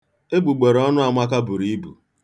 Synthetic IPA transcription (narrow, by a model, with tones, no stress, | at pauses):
e˦bu˨ɡ͡be˨ɾɔ˦nʊ˦a˨mʷa˦ka˦bu˨ɾi˦bṵ˨